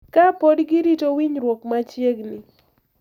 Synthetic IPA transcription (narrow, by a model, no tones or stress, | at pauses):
kapodɡɪɾitowiɲɾwokmat͡ʃjeɡnɪ